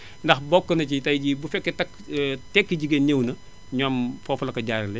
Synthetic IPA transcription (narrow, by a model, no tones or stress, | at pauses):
ndɐxbɔkːɐnɐcitɐjɟibufɛkːɛtɐk | tɛkːiɟiɡenɲewnɐ | ɲɔːmfɔflɐkɐɟaːɾɐlɛ